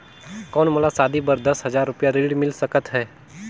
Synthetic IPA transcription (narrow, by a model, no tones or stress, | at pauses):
kɔːnmɐlasaːd̪ibəɾd̪ɐsɦɐzaːɾːʊpjaɾiːɽmɪlsəkət̪ɦɛː